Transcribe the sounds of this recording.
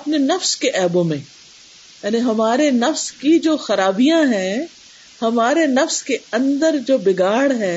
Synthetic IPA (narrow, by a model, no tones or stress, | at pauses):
ɐpnenɐfskeʔɛːbõmẽ | jaːniɦɐmaːɾenɐfskid͡ʒoːxɐɾaːbijãɦɛ̃ː | hɐmaːɾenɐfskeɐ̃nd̪əɾd͡ʒoːbɪɡaːɽɦɛː